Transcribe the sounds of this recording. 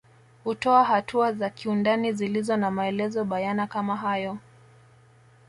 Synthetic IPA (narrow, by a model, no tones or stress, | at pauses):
hutɔaɦatʰuazakʰiundanizilizɔnamaɛlɛzɔɓajanakamaɦajɔ